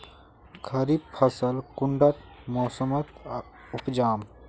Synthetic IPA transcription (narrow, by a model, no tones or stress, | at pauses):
kʰɐɾippʰəsəlkʊɳɖət̪mɔːsəmət̪ | ʊpd͡ʒaːm